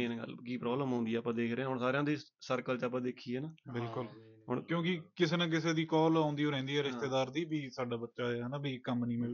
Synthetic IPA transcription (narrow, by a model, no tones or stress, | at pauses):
neːɡə̰lkiːpɾɔːbləmɦãːnd̪iːaːpãːd̪eːkʰɾeãːɦʊːɳsaːɾejãːd̪iː | səɾkəlt͡ʃaːpãːd̪eːkʰiːɛːnaːbɪlkʊl | ɦo̰ːɳkjõːkɪkɪseːnãːk̬ɪseːd̪iːkɔːlãːnd̪iːoːɾɛ̃ːnd̪iːɛːɾɪst̪eːd̪aːɾd̪iːbiːsaːɖaːbətːʃaːeɛnaːbiːkə̃mpniːmẽː